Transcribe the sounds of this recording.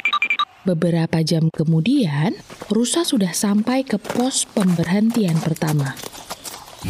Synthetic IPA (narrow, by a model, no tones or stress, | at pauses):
bəbəɾapad͡ʒamkəmudianrusasudahsampajkəpɔspəmbərɦənt̪ianpərt̪ama